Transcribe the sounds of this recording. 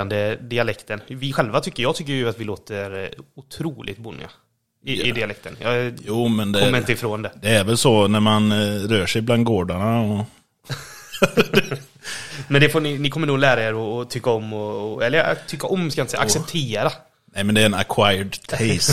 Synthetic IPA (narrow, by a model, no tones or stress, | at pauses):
and̪əd̪ɪalɛkt̪ənvɪɧɛlvat̪ʰʏkːəjɑːɡt̪ʏkːəjʉat̪vɪloːt̪əɾʊt̪ʰɾuːlʔɪ̰ɡ̚t̪bʊnːɪ̰a̰ | ɪɪd̪ɪalɛk̚t̪ʰə̰njɑ̰juːmɛnd̪kɛɔmːɾɪnt̪əɪfɾoːnd̪ɛd̪ɛːɾvɛlsɔnæɾmanɾœːʂɛjbland̪̚ɡoːɖaɳaɔ | mɛnd̪ɛfoːɳɪnɪkʰɔmːənuːlæːɾaeːɾɔːt̪ʰʏkːaɔmːɔɛlːəɾ̰t̪ʰʏkːaʔɔmskajnt̪sɛjʔaksɛpt̪ʰeːɾa | nɛmɛnd̪ɛːɾɛnakʰwajəɖt̪ʰɛs